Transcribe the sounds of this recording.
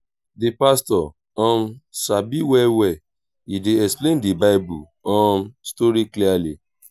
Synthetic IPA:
dipastɔ | ɔ̃msabiwɛwɛ | ideɛsplẽndibaɪbu | ɔ̃mstoɾikliali

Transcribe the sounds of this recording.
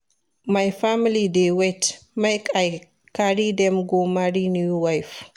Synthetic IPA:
majfamilidewɛtmajkaj | kaɾidɛmɡomaɾinuuwajf

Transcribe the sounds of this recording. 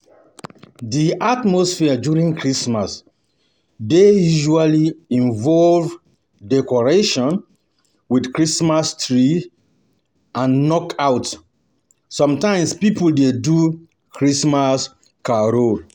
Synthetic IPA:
diʔatmɔsfiad͡ʒuɹĩŋkʰɹismas | dejuʒualiĩnvɔlv | dɛkɔɹeʃɔ̃n | widkɹismastɹi | ãnːɔkaʊt | sɔ̃mtãɪ̃mspipuldedu | kʰɹismas | kaɾo

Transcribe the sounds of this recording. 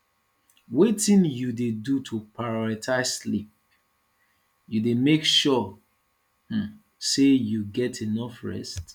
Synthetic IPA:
wetĩnjudedutʰupaɹɔɹitʰaɪsslip̚ | judemekʃɔ | h̩ | sejuɡɛtʰenɔfɹɛ̰st

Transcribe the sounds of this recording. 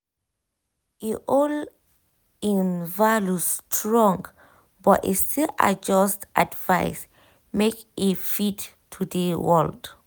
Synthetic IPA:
iʔɔl | ĩnvalustʰɹɔ̃ŋɡ | bɔtḭstila̰d͡ʒɔstʔadvaɪs | mek | efit | tʰudəwɔld

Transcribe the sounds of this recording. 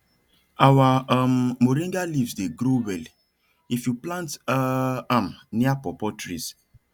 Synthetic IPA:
awammoɾẽndalivsdeɡɾowɛl | ifjuplãnt | ãmniapɔpɔtɾis

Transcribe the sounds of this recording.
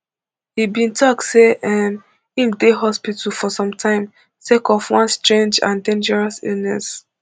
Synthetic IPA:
hibĩntʰɔk̚tseʔɛm | hĩmdeɦɔspitʰl̩fɔsɔ̃mtʰãɪ̃m | tekɔfwɔ̃nstɹẽnd͡ʒã̰ndẽnd͡ʒɛɹasḭlnɛs

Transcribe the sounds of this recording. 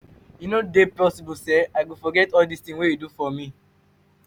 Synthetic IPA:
junodepɔsibusɛaɪɡofɔɡɛtɔldistĩnwejudufɔmĩ

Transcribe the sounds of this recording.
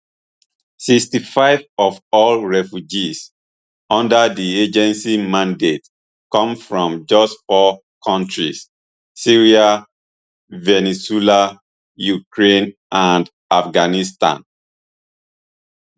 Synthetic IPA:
sikstifaɪvɔvɔlɹɛfjud͡ʒis | ɔ̃ndədied͡ʒɛ̃nsimãndet | kɔ̃mfɹɔ̃md͡ʒʌstfɔ | kʰɔ̃ntɹisː | iɹia | vɛnɛsila | jukɹẽnʔãnd | afɡanistã̰n

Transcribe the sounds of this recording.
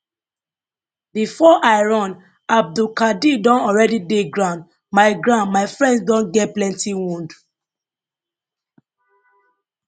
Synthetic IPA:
bifɔʔaɪɹɔ̃n | ab̚dukadidɔ̃nɔɹɛdideɡɹãʊ̃nd | maɪɡɹãnmaɪfɹɛ̃ndsdɔ̃nɡɛt̚plɛ̃ntiwũnd

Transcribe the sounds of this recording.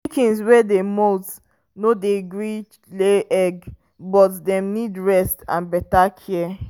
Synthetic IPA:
kĩnswɛdemɔlts | nodeɡɹit͡ʃleʔɛɡ | bɔtdɛ̃mnidɹɛstã̰nbɛtakʰɛ

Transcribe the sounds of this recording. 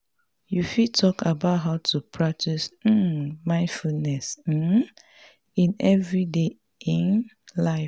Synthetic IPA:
jufitʰɔkabaʊtɦaʊtʰupʰɹak̚tism̩mãɪ̃nfulnɛs̩ | ĩnɛvɹide | ĩn | laɪ

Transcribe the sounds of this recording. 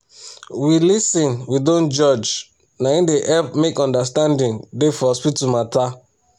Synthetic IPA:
wilisĩnwidõnd͡ʒɔd͡ʒ | naĩndeʔɛfmekɔ̃ndastãndĩndefɔspitumata

